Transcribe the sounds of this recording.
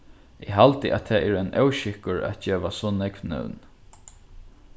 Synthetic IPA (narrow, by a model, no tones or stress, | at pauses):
ɪɦalt̪ɪʔa̰t̪ʰɛːʔɛːɾɛnʔœwʃɪhkʊɹɛ̰t̪̚d͡ʒeːʋasɔːnɛkʋnɛ̰wn